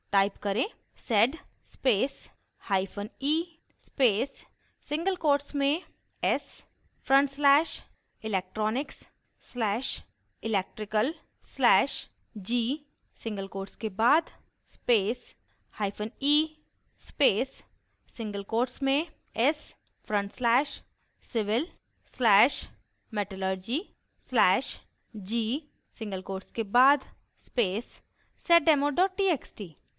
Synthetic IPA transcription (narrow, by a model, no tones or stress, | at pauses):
ʈaːɪpkɐɾẽː | sɛɖspeːs | haːifʰəniː | speːs | sɪ̃ŋɡəlkoːɾʈsmẽ | ɛs | fɾə̃ɳʈslɛːʃ | ɪlɛːk̚ʈɾɔːnɪksː | lɛːʃ | ɪlɛːk̚ʈɾɪkəl | slɛːʃ | d͡ʒiː | sɪ̃ŋɡəlkoːɾʈskebaːd̪ | speːs | haːipʰəniː | speːs | sɪ̃ŋɡəlkoːɾʈsmẽ | ɛs | fʰɾə̃ɳʈslɛːʃ | sɪʋɪl | slɛːʃ | mɛʈəlɔːɾd͡ʒiː | slɛːʃ | d͡ʒiː | sɪ̃ŋɡəlkoːɾʈskebaːd̪ | speːsː | ɛːʈ̚ɖɛːmoɖɔːʈʈiːeksʈiː